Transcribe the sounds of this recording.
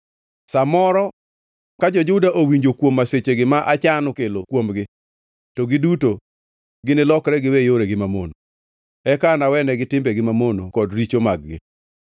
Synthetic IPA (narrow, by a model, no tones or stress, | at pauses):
samɔɾɔ | kad͡ʒɔd͡ʒʊdaʔowiɲd͡ʒokwomːaset͡ʃeɡɪmaʔat͡ʃanʊkelokwomɡɪ | tɔɡɪduto | ɡɪnɪlɔkɾɛɡɪwejoɾɛɡɪmamo̰no | ɛkanawɛnɛɡɪtɪmbɛɡɪmamonokɔdɾit͡ʃomaɡ̚ɡɪ̰